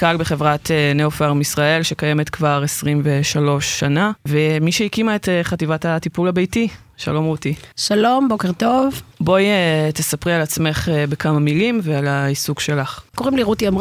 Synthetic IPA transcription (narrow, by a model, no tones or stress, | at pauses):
kalbe̞χe̞vʁat̪eneofaʁmisʁae̞lʃe̞kaje̞met̪kvaʁesʁimve̞ʃalo̞ʃːanavemiʃeikimaet̪χativatatipulhabejti | ʃa̰lo̞mʁutiʃalo̞mbokeʁt̪o̞vbo̞jet̪esapʁialat͡sme̞χbekʰamamilimvealaisukʃe̞laχkoʁimliʁutiam